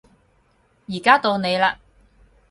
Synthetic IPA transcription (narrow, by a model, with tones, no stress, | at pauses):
jiː˨˩kaː˥t̪o˧wne˨˧jlaː˧